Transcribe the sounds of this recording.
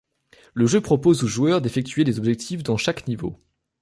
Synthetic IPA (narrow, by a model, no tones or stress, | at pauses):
ləʒøpχɔpozoʒuœʁd̪efɛk̚t̪ʰɥed̪ezɔbʒɛk̚t̪ʰifd̪ɑ̃ʃaknivo̰